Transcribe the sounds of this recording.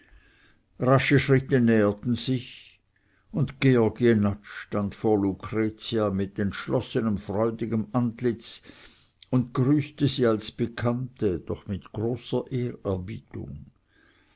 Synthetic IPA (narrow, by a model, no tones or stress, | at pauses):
ʁaʃəʃʁ̥ɪtənɛːətn̩z̥ɪç | ʊndɡ̥eɔɐɡienat͡ʃːtantfoːɐlukʁ̥ɛt͡siamɪtɛntʃlɔsənəmfʁɔʏdɪɡəmʔantlɪt͡s | ʊntɡ̥ʁyːstəziːalsb̥əkʰantəd̥ɔχmɪtɡ̥ʁoːsɐʔeːʁɛɐbiːtʊ̰ŋ